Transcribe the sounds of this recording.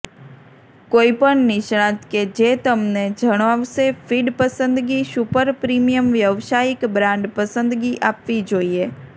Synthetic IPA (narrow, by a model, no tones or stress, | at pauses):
koːipəɳnɪʃɽ̃ãt̪ked͡ʒet̪əmned͡ʒʱəɽ̃ʋaʋsefiɖpəsə̃nd̪ɡiʃʊpəɾpɾimijəmʋjəʋʃaːɪkbɾãɳɖpəsə̃nd̪ɡiʔapʋid͡ʒoːie